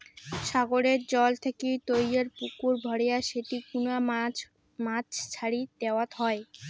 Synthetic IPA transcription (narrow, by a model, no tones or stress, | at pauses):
ʃaɡoɾeɾd͡ʑɔlt̪ʰekejt̪ojjeɾpukuɾbʱɔɽejaʃeʈikuna | mat͡ɕʰt͡ɕʰaɾid̪eoat̪ɦɔe